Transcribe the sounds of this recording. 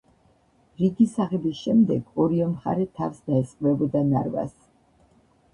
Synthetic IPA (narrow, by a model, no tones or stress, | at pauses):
ɾiɡisaʁɛbisʃɛmd̪ɛɡɔɾiɛmχa̰ɾɛt̪ʰaɾsd̪aɛsʼqʼvɛbɔd̪anaɾva̰s